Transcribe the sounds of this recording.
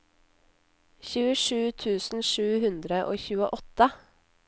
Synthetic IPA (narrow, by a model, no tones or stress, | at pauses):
çʉːəʂʉːt̪ʰʉːsn̩ʃʉːhʉnd̪ɾəʔoːçʉːə̰ʔɔt̪ə